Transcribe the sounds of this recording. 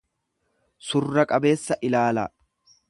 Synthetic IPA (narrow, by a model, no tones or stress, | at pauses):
sʊrːɐkʼɐbe̞ːsːɐʔɪlaːlɐ